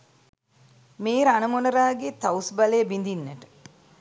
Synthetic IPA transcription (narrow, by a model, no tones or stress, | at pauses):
meːɾanəmonəɾaːɡet̪awsbalejbind̪inːəʈə̥